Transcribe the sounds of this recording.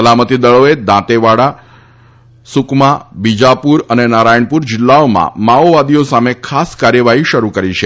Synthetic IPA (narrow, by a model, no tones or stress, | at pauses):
əlamət̪id̪əɭoed̪ãt̪eʋaɽa | sʊkmabid͡ʒapuɾənenaɾajəɳpuɾd͡ʒɪlːaomã̰maoʋad̪ijosamekʰaskaɾjəʋaɦiʃəɾukəɾit͡ʃʰe